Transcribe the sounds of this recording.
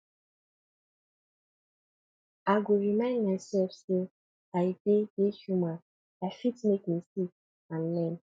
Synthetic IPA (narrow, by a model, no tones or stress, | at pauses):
aɡoɹimãɪ̃ndmasɛlfse | aibejeʃuma | afitmekmisi | ãnlɛ̃n